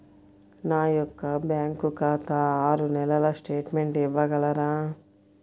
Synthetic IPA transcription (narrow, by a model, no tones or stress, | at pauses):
naːjɔkːɐbjaːŋkukaːt̪ɐaːɾunɛlɐlɐsʈeːʈmeɳʈiʋːɐɡɐlɐɾaː